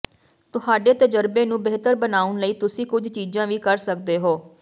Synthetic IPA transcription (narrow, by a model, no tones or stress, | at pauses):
t̪ʊɦaːɖeːt̪əd͡ʒəɾbeːnũːbeːt̪əɾbənaːʊnləiːt̪ʊsĩːkʊd͡ʒʱt͡ʃiːzãːʋiːkəɾsəkd̪eːɦoː